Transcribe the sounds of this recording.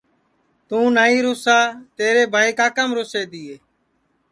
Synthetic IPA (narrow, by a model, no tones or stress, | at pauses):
t̪ũːnaːiːɾʊːsaːt̪eːɾeːbʱaːiːkaːkəmɾoːseːd̪ɪːeː